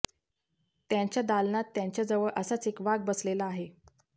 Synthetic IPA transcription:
t̪jãɲt͡ɕjad̪alnat̪ːjaɲt͡ɕjad͡zəʋəɭʔəsat͡sekʋaɡ̚bəslelaːɦe

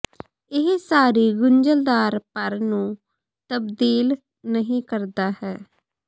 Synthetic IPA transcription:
ɪɦsaːɾiːɡʊɲd͡ʒəld̪aːɾpəɾnũː | t̪əbd̪iːl | nəɦĩːkəɾd̪aːhɛː

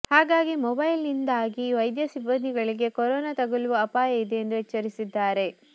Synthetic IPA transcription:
haːɡaːɡimɔbɐjlnind̪aːɡiʋɐjd̪jɐsibːɐnd̪ʱiɡɐɭiɡe̞kɔɾɔːnat̪ɐɡuluʋuɐpaːjɐid̪e̞ːnd̪uɛt͡ʃːɐɾisid̪ːaːɾe̞

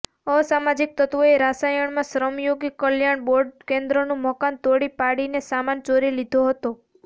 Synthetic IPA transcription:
ɔsamad͡ʒik̚t̪ət̪ʋoeɾasajəɳmãsɾəmjoɡikəljaɳboɾɖkẽnd̪ɾonũməkant̪oɽipaɽinesamant͡ʃoɾilid̪ʱoɦət̪o

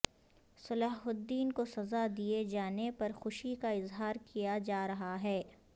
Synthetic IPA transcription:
sɐlaːɦʊd̪ːiːnkosɐzad̪ied͡ʒaːnepɐɾxʊʃikaɪzɦaːɾkʰijad͡ʒaːɾɐɦaɦɛː

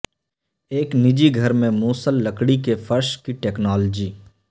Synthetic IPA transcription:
eːknɪd͡ʒiɡʱɐɾmẽmuːsəlːɐkɽikefʰɐɾʃkiʈeːknɔːld͡ʒiː

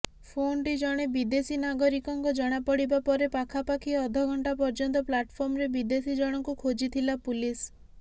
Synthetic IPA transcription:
pʰonʈid͡ʒɔɽ̃ebid̪esinaɡɔɾikɔŋkɔd͡ʒɔɽ̃apɔɽibapɔɾepakʰapakʰiɔd̪ʱɔɡʱɔɳʈapɔɾd͡ʒɔnt̪ɔplaʈpʰɔɾmɔɾebid̪esid͡ʒɔɽ̃ɔŋkukʰod͡ʒit̪ʰilapulis

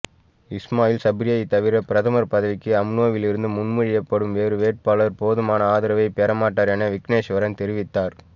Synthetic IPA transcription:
ɪsmaːjɪlsɐbɾɪjɐjit̪ɐʋɪɾɐpɪɾɐðɐmɐɾpɐðɐʋɪkːɯɐmnoːʋɪlɪɾɯnd̪ɯmʊnmʊɻɪjɐpːɐɽɯmʋeːɾɯʋeːʈ̚paːlɐɾpoːðɐmaːnɐaːðɪɾɐʋɐɪpeːɾɐmaːʈːaːɾɛnɐʋɪkneːʂʋɐɾɐnt̪ɛɾɪʋɪt̪ːaːɾ

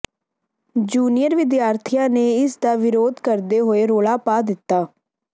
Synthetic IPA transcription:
d͡ʒuːnijəɾʋɪd̪jaːɾt̪ʰijãːneːɪsd̪aːʋɪɾoːd̪kəɾd̪eːɦoːeːɾoːlaːpaːd̪ɪt̪ːaː

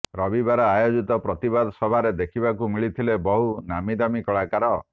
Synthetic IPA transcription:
ɾɔbibaɾɔajod͡ʒit̪ɔpɾɔt̪ibad̪sɔbʱaɾed̪ekʰibakumiɭit̪ʰilebɔɦunamiɾamikɔɭakaɾɔ

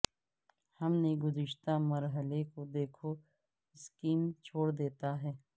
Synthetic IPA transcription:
hɐmneɡʊzɪʃt̪aməɾɦəlekod̪eːkʰo | skiːmt͡ʃʰoːɽd̪eːt̪aɦɛː

